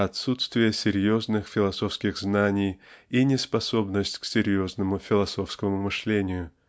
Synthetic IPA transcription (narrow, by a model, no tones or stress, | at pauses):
ɐt̪sut̪st̪vʲɪjəsʲɪɾʲjo̞znɨxfʲɪlˠɐso̞fskʲɪɣznanʲɪjinʲɪspɐso̞bnəsʲtʲksʲɪɾʲjo̞znəmʊfʲɪlˠɐso̞fskəmʊmɨʂlʲenʲɪjʊ